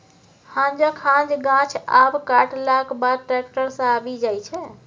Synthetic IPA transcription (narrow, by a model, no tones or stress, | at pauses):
hãnd͡ʒəkʰãd͡ʒɡãt͡ʃʰabkaʈʰlakbaʈɾɛk̚ʈəɾsə̃abid͡ʒajt͡ʃʰɛ